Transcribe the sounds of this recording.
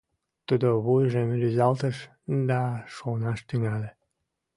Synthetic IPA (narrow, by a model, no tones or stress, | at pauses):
t̪ud̪oβujʒemɾyzɑlt̪əʃ | d̪ɑʃonɑʃt̪yŋæle